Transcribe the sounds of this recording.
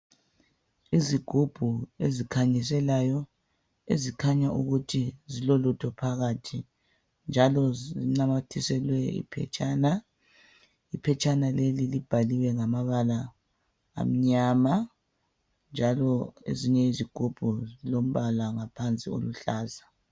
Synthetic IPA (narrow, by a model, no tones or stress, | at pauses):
iziɡ̥ʱub̥ʱuezikʰaɲis̬ɛlajɔ | ḛzikʰaɲaʔṵɣutʰizilɔlutʰɔpʰaɣatʰi | nd͡ʒʱalɔzzinamatʰisɛlwɛḭpʰɛ̰t͡ʃʼaːna | ipʰɛt͡ʃʼanalelilib̥ʱaliwɛŋamaβala̰ː | m̩ɲama | nd͡ʒʱalɔḛziɲɛiziɡ̥ʱub̥ʱuzilom̩βalaŋapʰant͡sʼio̰luɬaːza